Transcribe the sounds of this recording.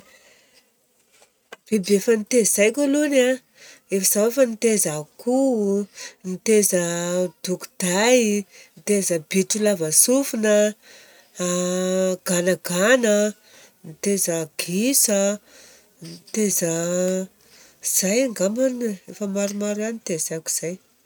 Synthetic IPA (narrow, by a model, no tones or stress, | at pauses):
b̥ebefənit̪ezz̥ajkʲaluna | efəz̥awefənit̪ezaku | nit̪ezəd̪̥uku̥d̪̥ajnit̪ezəbiʈ͡ʂulavəsufunə | ɡ̥anəɡanə | nit̪ezəɡ̥isə | nit̪ezə | z̥ajaŋɡamanefəmaɾumaɾanit̪ezajakʲu̥z̥aj